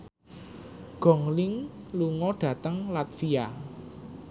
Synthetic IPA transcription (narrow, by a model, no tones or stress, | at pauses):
ɡ̥ɔ̤ŋlɪŋluŋɔɖ̥ä̤t̪əŋlat̪fia